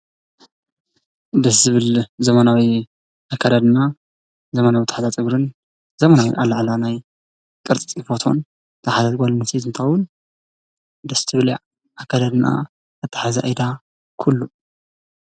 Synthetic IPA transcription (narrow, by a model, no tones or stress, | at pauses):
d̪ɐszɨβɨlzɐmanawi | ʔakʰːad̪ad̪ɨna | zɐmanawit̪ʰaħazat͡sʼɨɡɾɨn | zɐmanawḭʔalaʕlanaj | kʼɨɾt͡sʼit͡sʼfot̪ʰo̰n | t̪ʰɐħazat̪ʼɡʷalɨnːɨsʰizɨnt̪ʰɨxɐwʊn | d̪ɐst̪ʰɨβɨli | akʰːad̪ad̪na̰ | ɨt̪ʰːḁħazaʔajd̪a | kʰulːu